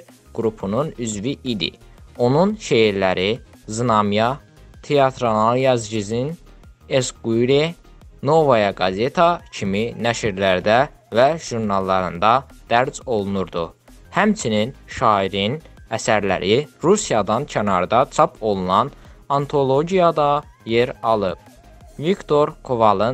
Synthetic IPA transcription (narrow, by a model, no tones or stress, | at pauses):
ɡ̥ɾupʰununyzviʔid̪ḭ | o̞nunʃeiɾlæɾizɯnɑmjɑ | t̪ʰeɑt̪ʰɾonɑlˠjɑzɟizin | esɡujɾe | no̞vɑjɑɡɑze̞t̪ʰɑcʰiminæʃiɾlæɾd̪æ | væʒ̥uɾnɑlˠːɑɾɯnd̪ɑd̪̥æɾzo̞lˠunuɾd̪u | hæmt͡ʃʰininʃɑːiɾinæsæɾlæ̰ɾʔiɾusijɑd̪ɑncʰænɑ̰ɾd̪ɑt͡ʃʰɑpʰo̞lˠunɑn | ɑnt̪ʰo̞lˠo̞ɟijɑd̪ɑ | je̞ɾɑlˠɯb̚ | vikt̪ʰo̞ɾkʰovɑlˠɯ